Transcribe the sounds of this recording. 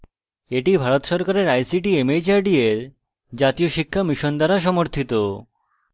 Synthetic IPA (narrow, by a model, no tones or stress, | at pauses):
eʈibʱaɾot̪ʃɔɾkaɾeɾajsiʈiemed͡ʑaɾɖieɾ | d͡ʑat̪ioʃikʰːamiʃond̪aɾaʃɔmoɾt̪ʰit̪o